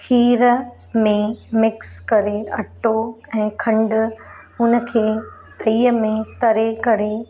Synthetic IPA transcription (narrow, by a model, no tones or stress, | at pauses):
kʰiːɾə | mẽmɪkskɐɾeɐʈoɛ̃ːkʰɐ̃ɳɖʊ̆ | ʊnə̆kʰeː | t̪ʰiːəmẽt̪ɐɾekɐɾe